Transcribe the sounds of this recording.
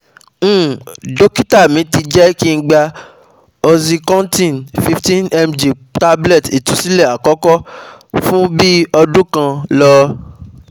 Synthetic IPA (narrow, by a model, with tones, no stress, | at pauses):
do˦ki˦ta˦˨mĩ˨˦ti˧d͡ʒɛ˦ki˦n̩˦ɡ͡ba˧ | o˧zi˧kɔ̃˦n˦tĩ˦˨nfi˧˦ftĩ˦nɛ˧md͡ʒe˨ | ta˦blɛ˦˨ti˨tũ˨˦si˦lɛ˦˨a˨kɔ˦kɔ˦fũ˦bi˦ɔ˧dũ˦kã˧lɔ˧